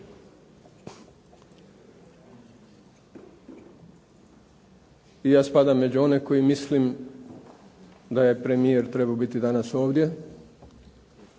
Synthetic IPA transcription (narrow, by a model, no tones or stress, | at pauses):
ijaːspad̪amːe̞d͡ʑuo̞ne̞ko̞jimislim | d̪ajepɾe̞mijeɾt̪ɾe̞baobit̪id̪anaso̞ːʋd̪je̞